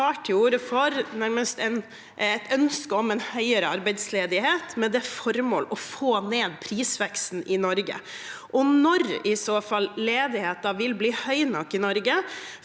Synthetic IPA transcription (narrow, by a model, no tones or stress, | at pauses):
ɑːʈʰɪuːɾəfɔɾnæɾməst̪ɛn | ɛt̪ʰœnskəɔmɛnhœʏəɾəɑɾbɛɪd̪sleːd̪ɪheːt̪mɛd̪ɛfɔɾmo̰ːlɔfoːneːd̪̚pʰɾiːsʋɛkst̪n̩ɪnɔɾɡə̰ | ʔɔnɔɾɪsoːfɑlːeːd̪ɪheːt̪ːɑʋɪlbliːhœʏnɑkːɪnɔɾɡə